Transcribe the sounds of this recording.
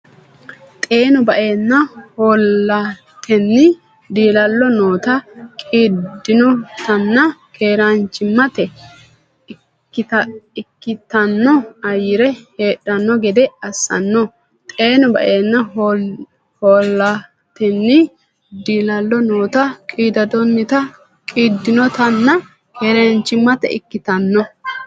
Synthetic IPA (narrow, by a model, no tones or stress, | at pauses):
t̪ʼeːnʊbɐʔeːnːɐhoːlːɐ | t̪ʰɛnːɪ | d̪iːlɐlːɔnoːt̪ɐkʼiːd̪ːɪnɔt̪ɐnːɐkʰeːɾant͡ʃːɪmːɐt̪ɛ | ɪkːɪt̪ːɐnːɔɐjɪɾɛhe̞ːɗːɐnːɔɡɛd̪ɛɐsːɐ̰nːɔ | t̪ʼeːnʊbɐ̰ʔeːnːɐ | hoːlːɐ | t̪ɛnːɪ | d̪iːlɐlːɔnoːt̪ɐkʼiːd̪ɐd̪ɔnːɪt̪ɐ | kʼiːd̪ːɪnɔt̪ɐnːɐ | kʰeːɾɐnt͡ʃːɪmːɐt̪ɛ̰ɪ̰kːɪt̪ɐnːɔ